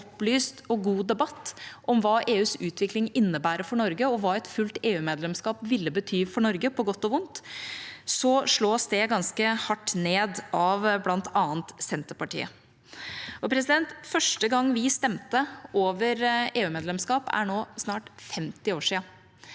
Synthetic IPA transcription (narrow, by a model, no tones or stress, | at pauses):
ɔplyːst̪ɔɡuːd̪ɛbɑt̪ːʔɔmʋɑːʔeːʉːsʉːt̪ʰʋɪklɪŋɪnːəbæːɾəfɔɳɔɾɡəɔʋɑːɛt̪fʉlt̪eːʉːmeːd̪lɛmskɑːpʋɪlːəbət̪ʰyːfɔɳɔɾɡəpʰɔɡɔt̪ːɔʋʊnt̪ | sɔʂɭoːsd̪ɛɡɑnskəhɑʈːneːd̪ʔɑʋblɑnt̪ʰɑːənt̪sɛnt̪əɾpɑʈḭːə̰ | ʔɔpʰɾɛs̬ɪd̪ɛnt̪fœʂʈəɡɑŋːʋɪst̪ɛmt̪əʔoːʋəɾeːʉːmeːd̪lɛmskɑːpæ̰ɳoːsnɑːʈfɛmt̪ɪoːʂiːɑ